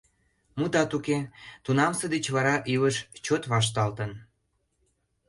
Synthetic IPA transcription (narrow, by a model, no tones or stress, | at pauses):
mut̪ɑt̪uket̪unɑmsə̆d̪et͡ɕβɑɾɑʔiβəʃt͡ɕot̪βɑʃ̬t̪ɑlt̪ən